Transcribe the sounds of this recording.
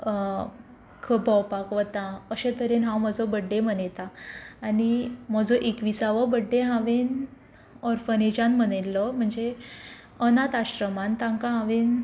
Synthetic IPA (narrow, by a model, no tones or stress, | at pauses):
kʰəbʱəwpakʋət̪ãəɕẽt̪əɾenɦãwm̤əd͡zɔbəɖːẽm̤ənet̪aːnim̤əd͡zɔʔekʋisaʋɔbəɖːeɦãʋen | ɔɾfəned͡ʑãnm̤ənelːɔm̤əɳd͡ze | ənat̪aɕɾəmant̪ãŋkãɦãʋen